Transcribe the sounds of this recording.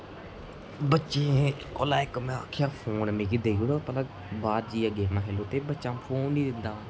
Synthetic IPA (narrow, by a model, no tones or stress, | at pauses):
bətːʃeẽko̰ːlaːɪkmẽkʰjaːpʰoːnmẽːkɪd̪eːɡuɽoːpələ | baːɾd͡ʒiːəɡeːmãːɦeːloːt̪eːbətːʃãːpʰoːnːiːd̪ɪnd̪aːʋãː